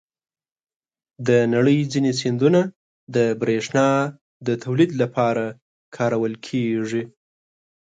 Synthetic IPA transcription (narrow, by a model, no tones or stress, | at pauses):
d̪ənaɽəjd͡zinet͡send̪una | d̪əbɾeʂnɑ | d̪ət̪ʰawlid̪lapʰɑɾa | kʰɑɾawəlkʰeʐi